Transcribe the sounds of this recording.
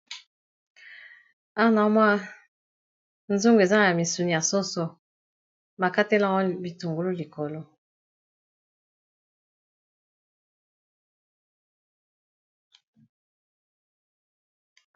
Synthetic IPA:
a˦na˨˦m˦a˦ | n̩˦zu˦ŋɡe˨za˦ŋ˨ja˨mi˨su˨n˨a˨sɔ˦sɔ˨ | ma˨ka˦te˦la˦ŋɔ˦bi˨tu˨ŋɡu˨lu˦li˨kɔ˨lɔ˦

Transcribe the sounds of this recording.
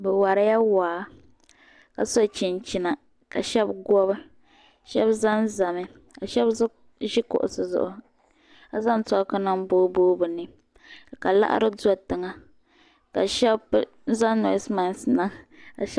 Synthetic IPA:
bɛ˨wa˨ɾa˦ja˦waː˨ | ka̰˨so˦t͡ʃi˨nt͡ʃi˨na˨ | ka˨ʃɛ˦bɡɔ˦βɨ˦ | ʃɛ˦bza˦n˦za˨mɨ˨ | ka˨ʃɛ˦bz | ʒɪ˦kʊ̰˨ʔʊ̰˨sɨ˨zʊ̰˨ʔʊ˦ | a˨za˦n˦tɔ˦ka˦na˦m˦boː˦boː˦bɨ˨nɨ˨ | ka˨la̰˦ʔa̰˦ɾɨ˦da˦tɨ˨ŋa˨ | ka˨ʃɛ˦b | za˦nɔ̰˨˦sma˨n˦sna˦ŋka̰˨ʃ

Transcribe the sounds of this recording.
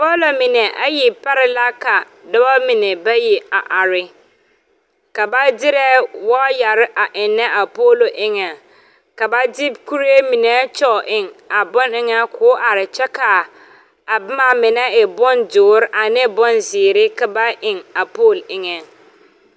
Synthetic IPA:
poː˦lo˨mɪ˨nɛ˨ʔa˦ji˨pa˦ɾɪ˨la˦ka˨ | dɔ˦ba˦mɪ˨nɛ˨ba˦ji˨a˨ʔa˨ɾɪ˨ | ka˨ba˦dɪ˦ɾɛ˦wɔ˦ja˨ɾɪ˦ʔa˨ʔɪ˨nːɛ˦ʔa˨poː˦lo˨ʔɪ˦ŋɛ˨ | ka˨ba˦di˦bku˦ɾe˦mi˨nɛ˨˦t͡ʃɔ˦˨ʔɪ˨ŋa˨bɔ˦nɪ˦ŋɛ˦kʰʊː˨˦ʔa˨ɾɪ˨t͡ʃɛ˦ka˨ | a˨bɪ˦ma˨mɪ˨nɛ˦ɪ˨bɔ˦ndʊː˨˦ɾɪ˦ʔa˨nɛ˦bɔ˦nzɪː˨ɾɪ˦ka˨ba˦ʔɪ˨ŋa˨poː˦˨lɪ˦ŋɛ˨

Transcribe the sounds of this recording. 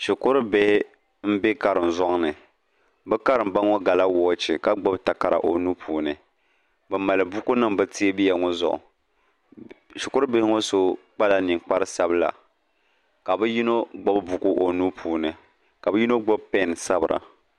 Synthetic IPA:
ʃi˨kʊ˦ɾɨ˦be˦hɪ˦ | m̩˦be˦ka˦ɾɨ˨n̩˨zɔ˦ŋ˦nɨ˨ | bɛ˦ka˦ɾɨ˨m̩˨ba˦ŋo˦ɡa˨la˦wɔː˨˦t͡ʃi˨ka˦ɡ͡bo˦bta˨ka˨ɾa̰˨ʔo˨nu˦pʰuː˨nɨ˨ | bɛ˨ma˨lɨ˨bʊ˦ku˦nɨ˦mbɛ˦ti˦e˦bi˦ja˨ŋɔ˦zʊ̰˨ʔʊ̰˨ | ʃɪ˨kʊ˦ɾɨ˦bɪ˦hɪ˦ŋo˦so˦k͡pa˦la˨˦ni˨ŋk͡pa˦ɾɨ˦sa˦bɨ˦la̰˨ | ka˨bɨ˦ji˦no˦ɡ͡bo˦bbu˨ku˦ʔo˨nu˦pʰuː˨nɨ˨ | ka˨bɨ˦ji˦no˦ɡ͡bo˦bpɛ˦˨n˨sa˦bɨ˨ɾa̰˨

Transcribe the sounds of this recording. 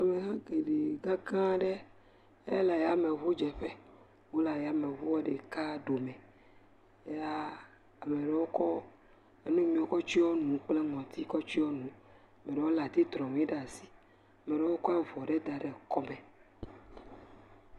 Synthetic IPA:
a˨me˨ɦã˦ɡe˨ɖe˨ɡa˦kã˦ɖɛ˦ | ḛ˦la˨ja˦me˨βu˦d͡ʒɛ˨ɸe˦ | wo˦la˨ja˨me˨βu˦ɔ˦ɖe˨ka˦ɖo˨mɛ̃˨ | e˦a˦ | a˨me˨ɖɛ˨wo˦kɔ˦ | e˦nũ˦mĩ˨o˨kɔ˦t͡ʃi˦wɔ˦nũ˨k͡ple˦ŋɔ̃˨t̪ʰi˦kɔ˦t͡ʃi˦wɔ˦nũ˨ | a˨mẽ˨ɖe˨wo˦la˨t̪i˦t̪ɾɔ̃˨m̃˨˦i˦ɖa˨si̥˦ | a˨me˨ɖɛ˨wo˦kɔ˦ɛ˦vɔ˨ɖe˦d̪a˨ɖɛ˨kɔ˦mɛ̃˨

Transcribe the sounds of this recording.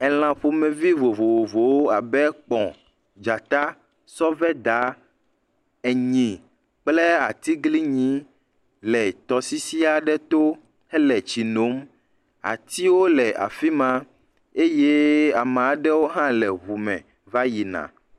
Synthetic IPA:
ɛ˨l̃ã˨ɸu˨mɛ̃˨vi˦vo˨vo˨vo˨vo˨wo˦a˨bɛ˦k͡pɔ̃˨ | d͡ʒa˨t̪a˦ | sɔ˦vɛ˦d̪a˨˦ | ɛ˨ɲĩ˨ | k͡plɛ˦a˨t̪i˦ɡli˦ɲĩ˨˦ | lɛ˨t̪ɔ˨si˦si˦a˨ɖɛ˦t̪o˦ | ɛ˦lɛ˨t͡ɕi˨no˨˦m | a̰˨t̪i˦wo˦lɛ˨ʔa̰˨fi˦mã˦ | e˦je˦a˨mã˨a˨ɖɛ˦wo˦ɦã˦lɛ˨βu˨mɛ̰̃˨ | va˦ji˨nã̰˨

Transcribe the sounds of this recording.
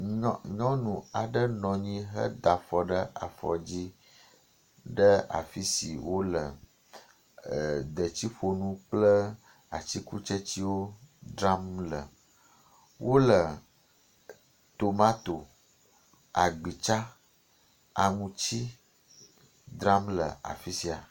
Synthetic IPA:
ɲɔ̃˦nũ˨a˨ɖə˦nɔ̃˨ɲĩ˦ɦə̰˦d̪a˨fɔ˨ɖə˦a̰˨fɔ̰˨d͡ʑi˦ | ɖə˦a̰˨fi˦si˨wʔo˦lə˨ | d̪ə˨t͡ɕi˦ɸo˨nũ˦k͡plə˦ | a̰˨t͡ɕi˦ku˦t͡ʃə˦t͡ɕi˦wo˦d̪ɾa˦mlə˨ | wʔo˦lə˨ | t̪o˨mã˦t̪o˨ | a˨ɡ͡bi˨t͡ʃa˦ | a˨ŋũ˨t͡ɕi˦ | d̪ɾa˦mlə̰˨a̰˨fi˦si˨a˨

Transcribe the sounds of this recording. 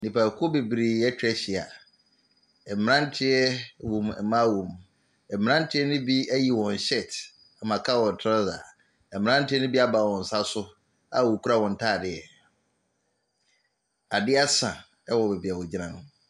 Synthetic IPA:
nĩ˨pʰa˨kʰʊ˦be˨bɾi˨ɛ˦t͡ɕᶣɛ˦ɕɪ˨a̰˨ | ɛ˨m̩mɪ̃˨˦ã˦n̩˦tʰɪ˦ɛ˦wu˨mɛ̰˨mã˦wu˨m | ɛ˨m̩˨mɪ̃˨˦ã˦n̩˦tʰɪ˦ɛ˦nʊ̃˦bi˦æ˦ji˨wɔ̃˨n˨ɕɛ˦˨t | a˨mã˨kʰa˦˨wɔ̃˨n˨tʰa˦za̰˨ | ɛ˨m˨mɪ̃˨˦ã˦n̩˦tʰɪ˦ɛ˦nʊ̃˦bi˦a˦baː˨wɔ̃˨n̩˨sa˦sʊ˦ | a˨wo˨kʰu˦ɾa˨wɔ̃˨n̩˨tʰaː˦˨dɪ˦˨ɛ˨ | a˨dɪ˦a˦sã˨ | ɛ˦wɔ˨be˨bi˨a˨wɔ̃˨d͡ʑi˦nã˨nʊ̃˦

